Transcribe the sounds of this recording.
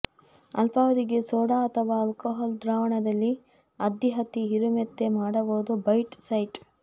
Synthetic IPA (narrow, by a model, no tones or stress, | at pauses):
ɐ̰lpaːʋɐd̪iɡe̞soːɽaɐt̪ʰɐʋaːlkɐɦaːld̪ɾaːʋɐɳɐd̪ɐlːi | ɐd̪iɦɐt̪iɦiɾumet̪ːemaːɽɐboːd̪ubɐjʈsɐjʈ